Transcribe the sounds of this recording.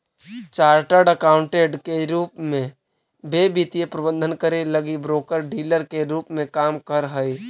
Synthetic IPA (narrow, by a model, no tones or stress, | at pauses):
t͡ʃaːɾʈəɾɖəkaːʊ̃ɳʈeɖkeɾuːpmẽ | beːbit̪ijepɾəbə̃nd̪ʱənkəɾeləɡibɾoːkəɾɖiːləɾkeɾuːpmẽkaːmkəɾɦəi